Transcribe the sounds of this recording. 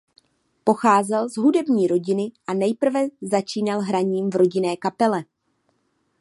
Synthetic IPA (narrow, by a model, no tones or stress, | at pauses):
po̞xaːzɛlzɦudɛbɲiːɾo̞ɟɪnɪʔanɛjpr̩vɛzat͡ʃiːnalɦɾaɲiːmvɾo̞ɟɪnɛːkapɛlɛ